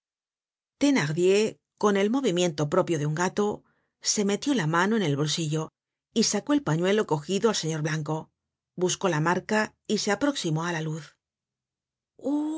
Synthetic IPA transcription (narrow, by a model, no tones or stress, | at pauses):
t̪e̞naʁðje̞ | ko̞ne̞lmo̞β̞imje̞nt̪o̞pɾo̞pjo̞ðeuŋɡat̪o̞ | se̞me̞t̪jo̞lamano̞e̞ne̞lβo̞lsiʝo̞ | isako̞e̞lpaɲwe̞lo̞ko̞xiðoalse̞ɲo̞ɾβlaŋko̞ | busko̞lamaɾka | ise̞apɾo̞ksimo̞alaluθ | u